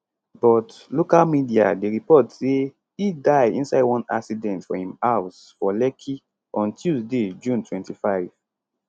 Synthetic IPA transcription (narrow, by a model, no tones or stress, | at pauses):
bɔt | lokalmidia̰deɹipɔtse | hidaɪĩnsaɪwɔ̃na̰ksidɛ̃ntfɔhĩmaʊs | fɔlɛkʰi | ɔ̃ntjuzded͡ʒũntʰwɛ̃ntifaɪv̥